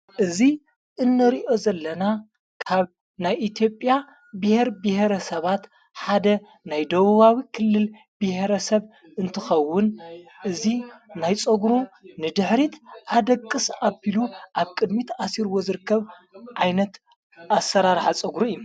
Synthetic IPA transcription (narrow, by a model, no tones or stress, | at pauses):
ʔɨzi | ʔɨnːɐɾiʔo̞zɐlːɐna | kʰaβ | najit̪ʰjo̞pʼja | bɨheɾbɨheɾɐsɐβat̪ | ħad̪ɐ | najd̪ɐβuβawikʰɨlːɨl | bɨheɾɐsɐβ | ɨnt̪ʰɨxɐwːʊnʔɨzinajt͡sʼɐɡɾunɨd̪ɨħɾit̪ʰʔad̪ɐkʼːɨsʔabiluʔaβkʼɨd̪mit̪asiɾɨwo̞zɨɾɨkʰːɐβ | ʕajnɐt̪ | asɐɾaɾħat͡sʼɐɡɾuɨju